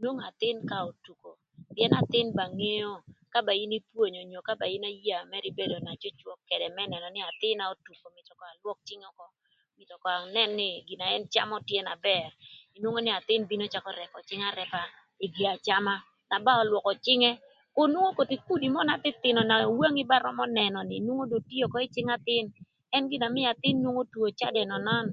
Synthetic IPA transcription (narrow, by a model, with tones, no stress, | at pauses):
nwo˦ŋa˨t̪ɪ˦nka˦o˨tu˨ko˨ | pjɛ˦na˨t̪ɪ˦nba˨ŋe˦o˦ka˦ba˨i˦ni˦pwo˨ɲo˨ɲo˨ka˦ba˨i˦na˦ja˨mɛ˦ɾɪ˦be˦do˨na˨t͡ʃo˦t͡ʃwɔ˦kːɛ˨dɛ˨mɛ˦nɛ˨nɔ˨nɪ˦a˨t̪ɪ˦na˨o˦tu˨ko˨mɪ˨tɔ˨kɔ˨a˨lwɔ˦k̚t͡ʃɪ˦ŋɔ˦kɔ˦ | mɪ˨tɔ˨kɔ˨a˨nɛ˦nːɪ˦ɡi˨na˨ɛ˦nt͡ʃa˦mɔ˦tjɛ˦na˨bɛ˨ri˨nwo˦ŋo˦nɪ˦a˨t̪ɪ˦nbi˦no˦t͡ʃa˦kɔ˦ɾɛ˨pɔ˨t͡ʃɪ˦ŋa˦ɾɛ˨pa˨ | i˨ɡi˨a˨t͡ʃa˦ma˦ | na˨ba˦ɔ˨lwɔ˨kɔ˨t͡ʃɪ˦ŋɛ˦ | ko˦nwo˦ŋo˦ko˨ti˨ku˦di˨mɔ˦na˨tɪ˦t̪ɪ˨nɔ˨na˨wo˦ŋɪ˦ba˦ɾɔ̰˦mɔ˦nɛ˨nɔ˨nɪ˨nwo˦ŋo˦do˨ti˦o˨kɔ˦ɪ˦t͡ʃɪ˦ŋa˦t̪ɪ˦n | ɛ˦nɡɪ˦˨na˨mɪ˦a˨t̪ɪ˦nːwo˦ŋo˦two˨t͡ʃa̰˦dɛ˨nɔ˨nɔ˦n